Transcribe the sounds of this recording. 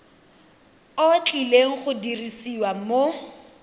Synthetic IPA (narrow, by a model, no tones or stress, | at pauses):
ot͡ɬʼileŋ̩χʊdirisiwamo